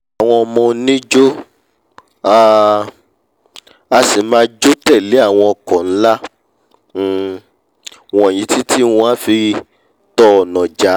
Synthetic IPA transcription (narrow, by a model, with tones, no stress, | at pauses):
a˨w̃ɔ̃˧ɔ˧mɔ̃˧nĩ˦d͡ʒo˦ | a˦ | a˧si˨˦mãː˦d͡ʒo˦tɛ˦˨le˨˦a˦˨w̃ɔ̃˧ɔ˧kɔ˨n̩˦la˦˨ | wɔ̃˨jĩ˨˦ti˦ti˦wɔ̃˧a˦fi˧ | tɔ˧˨nɔ̃˨d͡ʒa˨˦